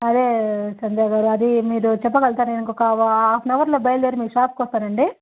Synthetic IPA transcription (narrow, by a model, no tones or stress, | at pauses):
ɐd̪e̞ːsɐɲd͡ʒaːɡaːɾuɐd̪imiːɾut͡ʃɛp̬ːɐɡɐlt̪aːɾuneniŋkɔkɐaːpʰnɐʋɐɾloːbɐjɐld̪eːɾimiːkuʂaːp̚kːɔst̪aːnɐɳɖi